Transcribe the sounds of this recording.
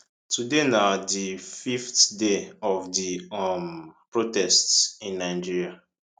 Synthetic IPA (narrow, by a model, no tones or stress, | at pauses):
tudenadififtdeɔvdimpɹotɛstsĩnːaɪd͡ʒiɹia